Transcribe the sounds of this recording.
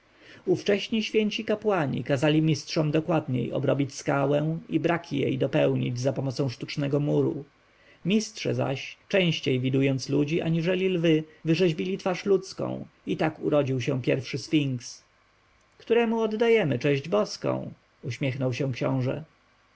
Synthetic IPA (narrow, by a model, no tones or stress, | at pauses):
uft͡ʂɛɕɲiɕfʲjeɲt͡ɕikapwaɲḭkazalʲimʲistʂɔmd̪ɔkwad̪̚ɲḛjɔ̰bɾɔbʲit͡ɕskawɛ̃w̃ibɾakʲʰijḛjd̪ɔpɛwɲḭd͡ʑzapɔmɔt̪sɔ̃w̃ʂt̪ut͡ʂnɛɡɔmuɾṵ | mʲistʂɛ̰za̰ɕt͡ʂɛ̃w̃ɕt͡ɕejvʲid̪ujɔnt̪slud͡ʑiʔa̰ɲiʐɛlʲilvɘvɘʐɛʑbʲilʲit̪faʂlut̪skɔ̰̃w̃ | it̪akṵɾɔd͡ʑiwɕɛ̃pʲjɛɾfʂɘsfʲiŋks | kt̪uɾɛmuɔd̪ːajɛmɘt͡ʂɛ̃ʑd͡ʑbɔskɔ̰̃w̃ | uɕmʲɛxnɔwɕɛ̃kɕɔ̰̃w̃ʐɛ̰